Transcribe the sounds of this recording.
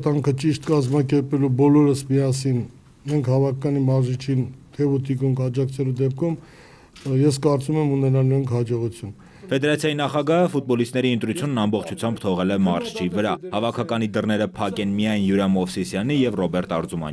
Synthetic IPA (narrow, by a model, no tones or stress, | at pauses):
t̪ɑŋkʰət͡ʃiʃt̪kɑzmɑkɛɾpɛlubɔlɔɾəsmiɑsin | mɛŋkʰhɑvɑkʰɑkɑnimɑɾzit͡ʃʰint̪ʰɛvut̪ʰikuŋkʰɑd͡ʒɑk̚t͡sʰɛlud̪ɛp̚kʰum | jɛskɑɾt͡sumɛmunɛnɑluɾɑŋkʰhɑd͡ʒɔʁut͡sʰjun | fɛd̪ɛɾɑt͡sʰjɑjinɑχɑɡɑɦəfut̪̚bɔlist̪nɛɾiənt̪ɾut͡sʰjunːɑmbɔχt͡ʃʰut͡sʰjɑmbt̪ʰɔʁɛlɛmɑɾʃʰt͡ʃʰivəɾɑhɑvɑkʰɑkɑnid̪ərnɛɾəpʰɑkɛnmijɑjnjuɾɑmɔfsisjɑnijɛvrɔbɛɾt̪ɑ̰ɾzumɑ̰n